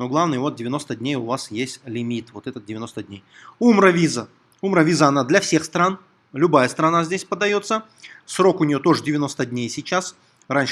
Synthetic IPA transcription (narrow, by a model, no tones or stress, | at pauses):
noɡlˠavnɨjəvo̞t̪̚dʲɪvʲɪno̞st̪ədʲnʲejʊvasjesʲtʲlʲɪmʲit̪vo̞t̪ɛt̪ət̪̚dʲɪvʲɪno̞st̪ədʲnʲejumɾəvʲizə | umɾəvʲizəɐnad̪lʲɐfsʲe̞xst̪ɾan | lʲʊbajəst̪ɾɐnazʲdʲesʲpəd̪ɐjo̞t̪sːə | sɾo̞kʊnʲɪjo̞t̪o̞ʐɨdʲɪvʲɪno̞st̪ədʲnʲejsʲɪt͡ɕːas | ranʲ